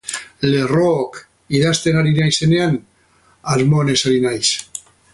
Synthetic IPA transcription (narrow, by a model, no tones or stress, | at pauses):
lerok | iðast̪enaɾinajsenean | aɾmonesaɾinajs